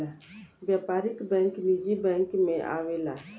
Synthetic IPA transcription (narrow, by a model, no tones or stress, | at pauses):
aʋjaːpaːɾɪkbɛ̃ːŋklid͡ʒibɛ̃ːŋkmẽʔa̰ːʋela